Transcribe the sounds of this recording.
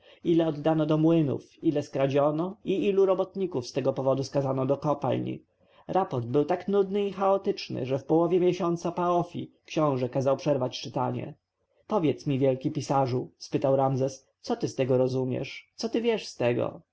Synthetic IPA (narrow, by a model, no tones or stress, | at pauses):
ilɛɔd̪ːanɔd̪ɔmwɘnṵfilɛskɾad͡ʑɔnɔiiluɾɔbɔt̪ɲikufst̪ɛɡɔpɔvɔd̪uskazanɔd̪ɔkɔpa̰lɲḭ | ɾapɔɾd̪̚bɘwt̪aknud̪nɘixaɔt̪ɘt͡ʂnɘ̰ʐɛfpɔwɔvʲjɛmʲjɛɕɔnt̪sapaɔfʲḭkɕɔ̃w̃ʐɛkazawpʂɛɾvat͡ɕt͡ʂɘt̪aɲɛ̰ | pɔvʲjɛt̪smʲivʲjɛlkʲipʲisaʐuspɘt̪awɾamzɛs | t̪sɔt̪ɘst̪ɛɡɔɾɔzumʲjɛ̰ʂt̪sɔt̪ɘvʲjɛʂst̪ɛɡɔ̰